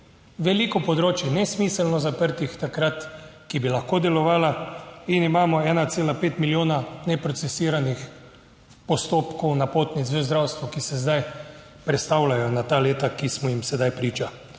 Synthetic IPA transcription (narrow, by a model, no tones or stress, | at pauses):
ʋɛlikɔpɔd̪ɾoːt͡ʃjɛnɛsmiːsəlnɔzapəɾt̪ixt̪akɾat̪kibilaxkoːd̪ɛlɔʋaːlainimaːmɔɛːnat̪seːlapeːt̪miljoːnanɛpɾɔt̪sɛsiːɾanix | pɔst̪oːpkɔwnapoːt̪nit̪sʋəzd̪ɾawst̪ʋɔkisɛzd̪aj | pɾɛt̪st̪awlajɔnat̪aːleːt̪akismɔjimsɛd̪ajpɾiːt͡ʃa